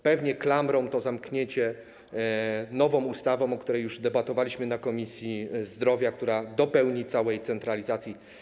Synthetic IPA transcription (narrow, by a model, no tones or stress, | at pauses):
pɛvɲɛklamɾɔmt̪ɔzamkɲeɲt͡ɕɛ | nɔvɔ̃must̪avɔ̃mɔkt̪uɾɛjuʐd̪ɛbat̪ɔvalʲiɕmɘnakɔmʲisʲjizd̪ɾɔvʲjakt̪uɾad̪ɔpɛwɲit̪sawɛjt̪sɛnt̪ɾalʲizat̪sʲji